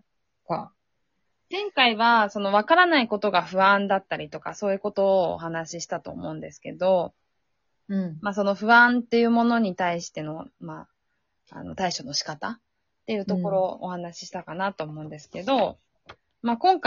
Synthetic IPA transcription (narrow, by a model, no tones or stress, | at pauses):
ka | zẽ̞ŋkaiβaso̞no̞β̞akaɾanaiko̞t̪o̞ɡaɸɯ̟ãnd̪at̪ːaɾʲit̪o̞kaso̞ːjɯ̟ko̞t̪o̞̰ːɦanaɕiɕi̥t̪at̪o̞ːmo̞̰ɯ̟̃nd̪esɨ̥ke̞d̪o̞ | maːs̬o̞no̞ɸɯ̟ãnt̪ːe̞jɯ̟ːmo̞no̞ɲ̟it̪aiɕi̥t̪e̞no̞maː | a̰no̞̰t̪aiɕo̞no̞ɕi̥kat̪a | t̪ːe̞jɯ̟ːt̪o̞ko̞ɾo̞ohanaɕi̥ɕi̥t̪akanat̪o̞ːmo̞ɯ̟̃nd̪e̞sɨ̥ke̞d̪o̞ | makõ̞ŋka